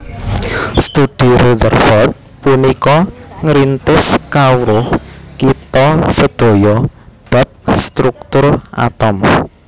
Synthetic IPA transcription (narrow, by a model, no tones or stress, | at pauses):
st̪ud̪̥i̤ɾud̪ərfɔt̪̚ | punikɔŋɾint̪ɪskawɾʊhkit̪ɔsəd̪̥o̤jɔb̥a̤p̚st̪ɾuk̚t̪ʊra̰t̪ɔm